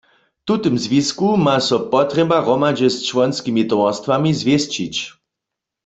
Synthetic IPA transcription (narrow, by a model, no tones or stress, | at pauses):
t̪ut̪ɨmzviskumasɔpɔt̪rɛbaʁɔmad͡ʒɛst͡ʃwɔnskimit̪ɔwast̪wamizvjɛst͡ɕit͡ɕ